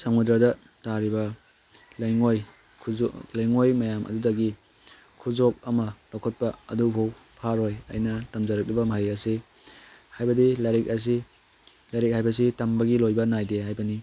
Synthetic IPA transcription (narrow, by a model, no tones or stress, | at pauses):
saŋudɾɐdɐ | taɾibɐ | lɐjŋoj | kʰlɐjŋojmɐjamʔɐ̰dudɐɡi | kʰuzok̚ɐmɐlokʰɐt̚pɐɐ̰dubow | pʰaɾojɐ̰jnɐtɐmzɐɾɐk̚libɐmɐɦijɐsi | hajbɐdilaɾik̚ɐs̬i | laɾik̚hajbɐs̬itɐmbɐɡilojbɐnajdeɦajbɐni